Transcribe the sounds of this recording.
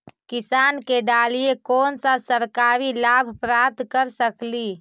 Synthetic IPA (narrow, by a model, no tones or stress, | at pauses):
kɪsaːnkeɖaːlijekɔːnsãsəɾkaːɾilabʱpɾat̪kəɾsəkli